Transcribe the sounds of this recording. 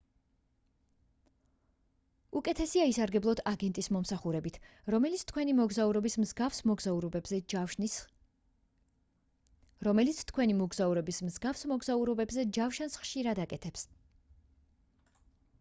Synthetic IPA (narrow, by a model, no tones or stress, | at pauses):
ukʼɛt̪ʰɛsiaisaɾɡɛblˠɔd̪ʰaɡɛnt̪ʼismɔmsaχuɾɛbit̪ʰɾɔmɛlit̪sʰt̪ʰkʰwɛnimɔɡzauɾɔbismzɡafsɔɡzauɾɔbɛbzɛ | ɾɔmɛlit̪sʰt̪kʰwɛnimɔɡzauɾɔbismzɡafsmɔɡzauɾɔbɛbzɛd͡ʒafʃansχʃiɾad̪akʼɛt̪ʰɛps